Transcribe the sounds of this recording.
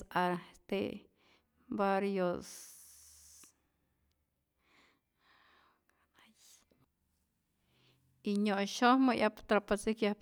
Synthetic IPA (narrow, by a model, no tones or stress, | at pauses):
aɾt̪ḛ | baɾjos | iɲoʔʃohmɨʔjʔapt̪ɾapasikjahp